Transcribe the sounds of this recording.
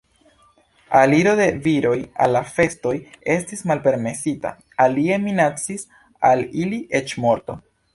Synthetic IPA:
aliɾo̞de̞viɾo̞ja̰lːafe̞sto̞je̞stismalpe̞ɾme̞sita̰ | alie̞minat͡sis | aliliʔe̞t͡ʃmo̞ɾto̞

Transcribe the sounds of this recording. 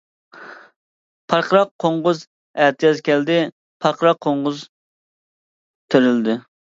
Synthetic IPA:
pʰɑɾqʰəɾɑqʰːoɴʁʊz | æht̪ʰijɑzkʲɛld̪ɪ | pʰɑɾqʰəɾɑqʰːoɴʁʊz | t̪ʰøɾɪld̪ɪ

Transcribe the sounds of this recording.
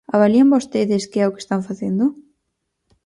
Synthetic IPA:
aβaliambost̪eðɪskɪɛʊke̥st̪aɱfaθend̪ʊ

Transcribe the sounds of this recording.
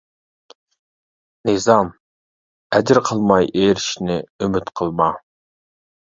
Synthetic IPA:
nɨzɑm | ɛd͡ʒɪɾqʰəlˠmɑjʔeːɾiʃnɪymyt̪qʰəlˠmɑ

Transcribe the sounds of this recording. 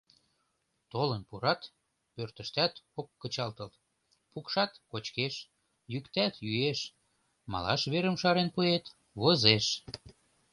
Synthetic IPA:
t̪olənpuɾɑt̪ | pørt̪əʃt̪æt̪okːət͡ɕɑlt̪əl | pukʃɑt̪kot͡ɕkeʃ | jykt̪æt̪jyeʃ | mɑ̰lɑ̰ʃβeɾəmʃɑɾenpuet̪ | βozeʃ

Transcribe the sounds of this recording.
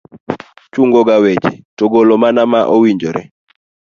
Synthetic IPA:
t͡ʃuŋɡɔɡawet͡ʃḭtoɡolomanamaʔowiɲd͡ʒɔɾɛ

